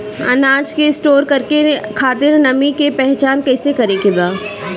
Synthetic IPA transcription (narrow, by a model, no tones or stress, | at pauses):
ɐ̰naːd͡ʒkeɪsʈoːɾkɐɾkekʰaːt̪ɪɾnɐmikepɛɦt͡ʃaːnkɛːsekɐɾekebaː